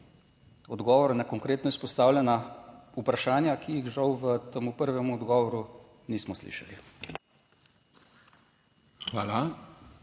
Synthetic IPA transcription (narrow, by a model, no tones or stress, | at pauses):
ɔd̪ɡɔːʋɔɾnakɔŋkɾeːt̪nɔispɔst̪aːwlʲjɛnaupɾaʃaːnjakijixʒawʋət̪əmupəɾʋɛmuɔd̪ɡɔːʋɔɾu | niːsmɔslḭːʃali | xʋaːla